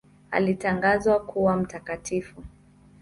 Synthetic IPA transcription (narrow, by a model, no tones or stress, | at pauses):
a̰litaŋɡazwakuwam̩takatʰifu